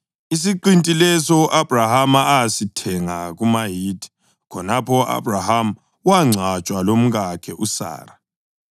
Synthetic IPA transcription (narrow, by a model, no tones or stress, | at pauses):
is̬iǃintʼilɛsɔʔab̥rahamaasitʰɛŋaɣumaɦiːdʰʱʼi̥ | kʰɔnapʰɔʔa̰b̥raham̩ | waŋ͡ǀʱat͡ʃʼwalom̩ɣakʰɛʔusa̰ːra